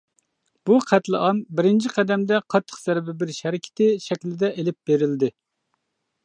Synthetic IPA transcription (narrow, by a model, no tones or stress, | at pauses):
b̥uqʰæt̪lˠɨʔɑmbɪɾɪnt͡ʃʰiqʰɛd̪ɛmd̪ɛqʰɑt̪ʰːə̥qz̥ɛɾbɪbɪɾʃɛɾɪkʲʰɪ̥t̪ʰɪʃɛkʲlɪd̪ɛʔelɪp̚beɾɪld̪ɪ